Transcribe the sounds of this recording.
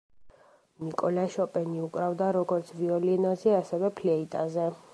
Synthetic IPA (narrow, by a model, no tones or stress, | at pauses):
mikʼɔlaʃɔpʼɛniukʼɾavd̪aɾɔɡɔɾt̪sʰviɔlinɔzɛasɛvɛpʰlɛit̪ʼazɛ